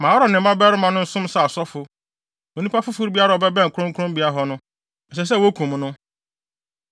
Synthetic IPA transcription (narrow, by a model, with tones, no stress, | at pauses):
mã˨wɾɔ˨nɪ̃˨ba˦bɛ˦ɾɪ˦mã˨nʊ̃˦n̩˦sʊ̃˦m˦sa˨sɔ˦fʊ˨ | nẽ˨˦nũ˦pa˦fʊ˦fʊ˦ɾbi˦a˦ɾa˨ɔ˨bɛ˦bɛ̃˦ŋ̩˨kʰʊ˦ɾʊ̃˦ŋ˦kʰʊ˦ʊ̃˦mbi˨˦a˦ɦɔ˦nʊ̃˦˨ | s̬ɛ˨s̬ɛ˦˨wo˦kʰũ˨m˦nʊ̃˦